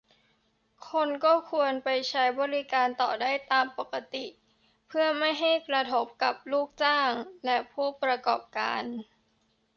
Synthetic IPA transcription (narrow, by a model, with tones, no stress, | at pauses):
kʰo˧nkɔː˥˩kʰu˧ənpa˧jt͡ɕʰa˦˥jbɔː˧ɾi˦˥kaː˧nt̪ɔː˨˩daː˥˩jt̪aː˧mpo˨˩ka˧t̪i˨˩ | pʰɯ˥˩ɐma˥˩jɦa˥˩jkɾa˧t̪ʰo˦˥p̚ka˨˩p̚luː˥˩k̚t͡ɕaː˥˩ŋlɛ˦˥ʔpʰuː˥˩pɾa˧kɔ̰ː˨˩p̚ka̰ː˧n